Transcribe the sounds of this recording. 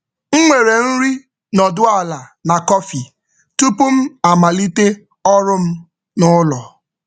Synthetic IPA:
ŋ̩˦ŋʷe˨ɾe˨n̩˦ɾi˦ | nɔ˨dʊ˦a˨la˨na˨kɔ˦fi˨ | tu˦pu˦m̩˦a˨ma˨li˦te˦ | ɔ˦ɾʊ˦m̩˦ | nʊ˦lɔ˨

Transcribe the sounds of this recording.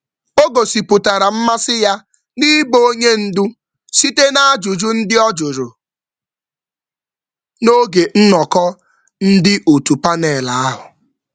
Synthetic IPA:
o˦ɡo˨si˨pʊ˨ta˨ɾa˨m̩˦ma˦sɪ˦ja˦ | ni˦boo˦ɲe˦n̩˦dʊ˦ | si˦te˦na˦a˦d͡ʒʊ˨d͡ʒʊ˦n̩˦dɪ˦ɔ˦d͡ʒʊ˨ɾʊ˨ | no˦ɡe˨n̩˦nɔ˨kɔ˦ | n̩˦dɪ˦ʔo˨tu˨pa˦ne˨la˨a˦ɦʊ˨

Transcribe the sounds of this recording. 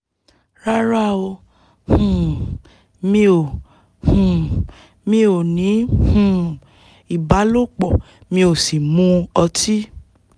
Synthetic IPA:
ɾa˦ɾa˦˨o˧ | hũ˨ | mĩ˧o˨ | hũ˨ | mĩ˧˦o˨nĩ˨˦hũ˨ | i˦˨ba˨˦lo˦˨k͡pɔ˨ | mĩ˧o˨si˨mũ˧˦ɔ˧ti˦

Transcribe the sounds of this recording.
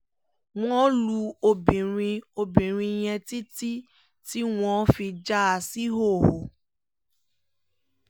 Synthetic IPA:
w̃ɔ̃˦lu˧o˧bĩ˨ɾ̃ĩ˧o˧bĩ˨ɾ̃ĩ˧j̃ɛ̃˧ti˦ti˦ | ti˦w̃ɔ̃˧˦fi˧d͡ʒa˦a˧si˦ɦo˦˨ho˨

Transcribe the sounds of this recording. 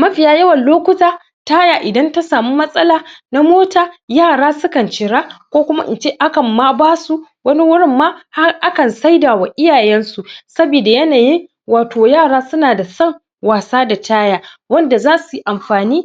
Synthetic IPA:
mɐ˦ɸɪ˨jaː˦jɐ˦wɐ˨nloː˦kʷʊ˦taː˦ | taː˦jaː˨ʔɪ˨dɐ˦nta˦saː˨mu˦mɐ˦sʼɐ˦laː˨na˦moː˦taː˨jaː˦˨ɽaː˦sʊ˦kɐ˨nt͡ʃɪ˨ɽaː˦kʷoː˦kʷʊ˦ma˦ʔɪ̰˨nt͡ʃeː˦ʔa˦kɐ˨mːa˦baː˦su˦ | wɐ˦ni˦wʊ˦ɽɪ˦mːaː˦ha˦ʔa˦kɐ˨nsa˦jdaː˨wa˨ʔɪ˦jaː˨jɛ˦nsu˨sɐ˦biː˨da˨jɐ˦naː˨jɪ˦ŋ | waː˨toː˨jaː˦˨ɽaː˦sʊ˦naː˨da˨sɐ˦˨ŋ | waː˨saː˦da˨taː˦jaː˦ | wɐ˦nda˨zaː˦su˨ʔa˨mɸaː˨niː˦

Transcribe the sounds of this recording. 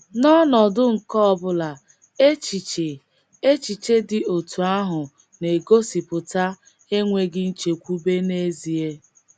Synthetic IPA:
nɔ˦nɔ˨dʊ˦ŋ̩˨kɔ˦ɔ˨bʊ˦la˨ | e˦t͡ʃi˨t͡ʃe˨ | e˦t͡ʃi˨t͡ʃe˦dɪ˨o˨tʰu˨a˦ɦʊ˨ | ne˨ɡo˦si˨pʊ˨ta˦ | e˦ŋʷe˨ɡɪ˦n̩˦t͡ʃe˨kʷu˦be˦ne˦zi˨e˦

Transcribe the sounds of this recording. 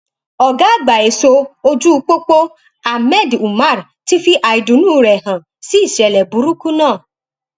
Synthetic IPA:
ɔ˨ɡa˨˦˨ɡ͡ba˨e˨˦so˧o˧d͡ʒu˦˧˦k͡po˦k͡po˦ | a˨mɛ˦˨du˨ma˦˨ɾ | ti˦fi˦ʔa˧i˨˧dũ˨˦nũː˦˨ɾɛ˨hã˨ | si˦i˦˨ʃɛ˨lɛ˨bu˨˦ɾu˦ku˦nãː˦˨

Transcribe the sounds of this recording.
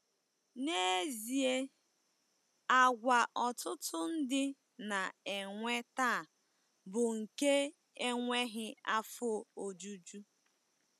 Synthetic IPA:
ne˦zi˨e˦ | a˨ɡʷa˨ʔɔ˨tʊ˦tʊ˦n̩˦dɪ˦ | na˨e˨ŋʷe˦taː˦˨ | bʊ˨ŋ̩˨ke˦ | e˦ŋʷe˦ɦɪ˦a˦fʊ˦o˨d͡ʒu˦d͡ʒu˦

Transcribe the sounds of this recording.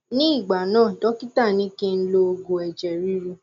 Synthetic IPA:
nĩ˦i˦˨ɡ͡ba˨nãː˦˨tɔ˦ki˦ta˦˨nĩ˨˦kẽ˧n̩˦lo˧ɡo˨ɛ˨d͡ʒɛ˨ɾi˨˦ɾu˧

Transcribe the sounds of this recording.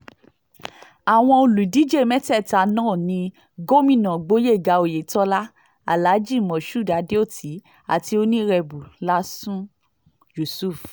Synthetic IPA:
a˨w̃ɔ̃˧o˧lu˨di˨˦d͡ʒe˦˨mɛ̃˦tɛ˦˨ta˨˧nãː˦˨nĩ˧˦ | ɡo˦mĩ˦˨nã˨ɡ͡bo˦je˦˨ɡa˨˦o˨je˨˦tɔ˦la˦ | a̰˨la˨˦d͡ʒi˦˨mɔ̃˨ʃu˦˨da˨˧de˦o˦˨ti˨˦ | a̰˨ti˧o˧˦nĩ˦ɾɛ˧bu˨la˦sũ˦ | d͡ʒu˨su˦˨f

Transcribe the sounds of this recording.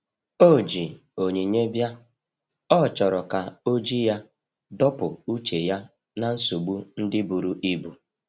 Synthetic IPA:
o˦˨d͡ʒi˨ | o˨ɲe˨ɲe˦bja˦ | ɔ˦˨t͡ʃɔ˨ɾɔ˨ka˨o˦d͡ʒi˦ja˦ | dɔ˦pʊ˨u˦t͡ʃe˨ja˦ | na˨n̩˦su˨ɡ͡bu˦n̩˦dɪ˦bu˨ɾu˨ʔi˦bu˨

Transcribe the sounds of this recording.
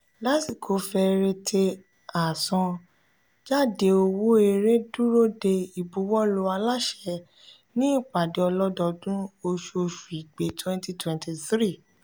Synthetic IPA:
la˦ti˦˨kʰo˨˦fɛ˧ɾe˧tʰe˧ | a˨sɔ̃˧ | d͡ʒa˦˨de˧o˧wo˦e˧ɾe˦du˦ɾo˦de˧i˨bu˨˦wɔ˦lo˨˧˦a˧la˦ʃɛ˨˧ | nĩ˦i˦˨k͡pa˨de˨˧ɔ˧lɔ˦dɔ˧dũ˦o˧ʃo˧ʃu˨i˨ɡ͡be˨tʰwɛ̃˦nti˧twɛ̃˨nti˧θɾi˦˨

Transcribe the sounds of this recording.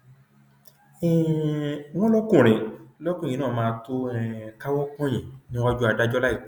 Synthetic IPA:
ɛ˨ | wɔ̃˦lɔ˦kũ˦˨ɾ̃ĩ˨˧lɔ˦kũ˦˨ĩ˨˦nãː˦˨mãː˦˧to˦ɛ˨ka˦wɔ˦kɔ̃˦j̃ɛ̃˨nĩ˦a˦d͡ʒu˦a˧da˦d͡ʒɔ˦la˦i˦˨

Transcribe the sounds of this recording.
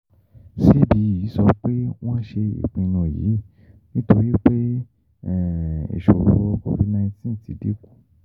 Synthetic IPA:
ʃi˦bi˨˦ji˨˦sɔ˧˦k͡pe˦w̃ã˦ʃe˧ḭ˨k͡pĩ˧nũ˧˨jḭ˨˦˨ | nĩ˦to˧ɾi˦k͡pe˦ | ɛ˦˨ḛ˨ʃo˨ɾo˧kɔ̰˧vi˧nã˧i˧tĩ˨˦˨ti˨˦dḭ˦˨ku̥˦˨

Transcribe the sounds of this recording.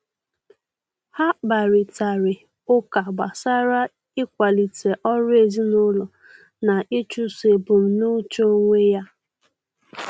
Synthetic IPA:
ha˦ba˨ɾɪ˨ta˨ɾɪ˨ | ʊ˦ka˨ɡ͡ba˨sa˦ɾa˦ | ɪ˦kʷa˨li˨te˨ʔɔ˦ɾʊ˦e˨zi˦nʊ˦lʊ˨ | na˨ʔi˦t͡ʃu˦se˨bʊ˨m̩˨nu˦t͡ʃo˦ŋʷe˦ja˦

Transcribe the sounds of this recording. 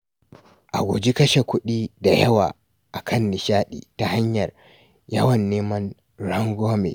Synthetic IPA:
ʔa̰˨ɡʷo˨d͡ʒi˦kɐ˦ʃe˨kʷʊ˦ɗiː˦da˨jɐ˦wa̰ː˨ | ʔa˨kʰɐ˦nːɪ˨ʃaː˦ɗḭː˨ta˨ɦa˦ɲjɐ˨r | jɐ˦wɐ˨nːeː˦mɐ˦n | ɾɐ˦ŋɡʷoː˦mḛ˨

